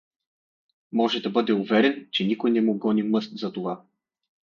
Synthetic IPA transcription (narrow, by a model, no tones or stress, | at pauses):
mɔʒɛd̪ɐbɤd̪ɛuvɛɾɛnt͡ʃɛnikojnɛmuɡɔnimɤst̪zɐt̪ova